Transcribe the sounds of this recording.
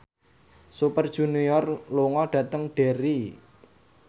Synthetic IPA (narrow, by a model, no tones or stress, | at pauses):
supərd̥ʒ̥ṳnijɔrloŋɔɖ̥ä̤t̪əŋɖ̥e̤ɾi